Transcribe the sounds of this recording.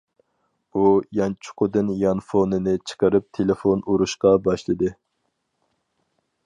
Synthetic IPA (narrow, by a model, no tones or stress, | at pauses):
ujɑnt͡ʃʰʊ̥qʰʊd̪ɨnjɑnfonɨnɨt͡ʃʰə̥qəɾɨp̚t̪ʰelɪfonuɾuʃqɑbɑʃlˠɨd̪ɨ